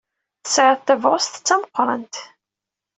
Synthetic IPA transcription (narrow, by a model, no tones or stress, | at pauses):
θəsʕəðˤθævʁʊst̪ə̥t͡sːæməqːɾˤɑ̰nt̪